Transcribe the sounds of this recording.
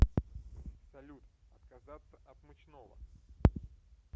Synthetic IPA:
sɐlʲut̪ɐt̪kɐzat̪səʔɐt̪mɨt͡ɕnovə̰

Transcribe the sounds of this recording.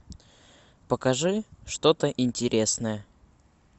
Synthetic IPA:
pəkɐʐɨʂt̪ot̪əʔɪnʲtʲɪɾʲʔesnəjə

